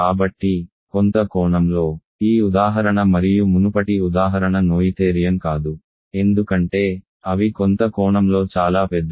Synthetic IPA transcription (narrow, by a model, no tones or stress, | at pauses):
kaːbɐʈːi | kont̪ɐkɔːɳɐmlo̞ː | iːud̪aːɦɐɾɐɳɐmɐɾijumunupɐʈiud̪aːɦɐɾɐɳɐnoːjit̪eːɾijɐmkaːd̪u | e̞nd̪ukɐɳʈe̞ː | ɐʋikont̪ɐkɔːɳɐmlo̞ːt͡ʃaːlaːpɛd̪ːɐ